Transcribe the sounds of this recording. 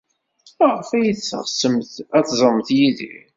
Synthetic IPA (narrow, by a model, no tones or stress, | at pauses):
ʁəfæjəθt͡sːə̰ʁsəmθæθzˤəmθjiðḭ